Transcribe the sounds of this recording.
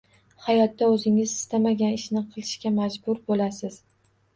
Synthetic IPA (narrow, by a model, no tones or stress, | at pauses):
hajɒt̪ːaɵzɪŋɪzɪst̪amaɡʲanɪʃnɪqʰɨlˠɪʃkʲamad͡ʒbʊɾbolasɪz̥